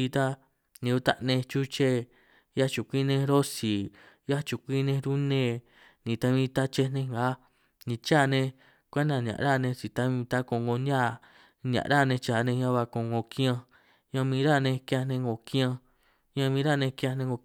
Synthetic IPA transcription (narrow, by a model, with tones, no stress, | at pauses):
i˧t̪a˦ | nĩ˧u˧t̪a˦ʔnẽ˧t͡ʃu˦t͡ʃe˦ | ja˦t͡ʃu˨kʷi˦nẽ˧ɾo˦si˨ | ja˦t͡ʃu˧˨kʷi˦nẽ˧ɾu˦nẽ˧˨ | nĩ˧˨t̪a˧βĩ˧˦t̪a˦t͡ʃe˧nẽ˧ŋɡa˨˦ | nĩ˧t͡ʃa˦˨nẽ˧ | kʷa˦nã˧˨ɲã̰˨ʔɾa˦˨nẽ˧t͡ʃi˨t̪a˦βĩ˧t̪a˦ko˧˨ŋɡo˧na˦˨ | ɲ˧ã̰˨˧ɾa˦˨nẽ˧t͡ʃa˨nẽ˧ɲã˦˧βa˧kõ˧˨ŋɡo˧kĩ˦ã˧ | ɲã˧mĩ˧ɾa˦˨nẽ˧kjã˧nẽ˧ŋɡo˧kĩ˦ã˧ | ɲã˧mĩː˧˦ɾa˦˨nẽ˧kã˧nẽ˧ŋɡo˧